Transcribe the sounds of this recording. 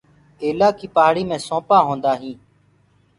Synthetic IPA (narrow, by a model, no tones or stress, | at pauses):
eːlaːkiːpɦaːɽiːmẽːsõːpaːɦõːnd̪aːɦĩː